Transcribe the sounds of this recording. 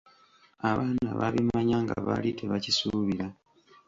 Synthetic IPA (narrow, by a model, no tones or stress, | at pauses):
aβaːna̰βaβimaɲaːŋɡa̰βa̰litʰeβacisuːβiɾa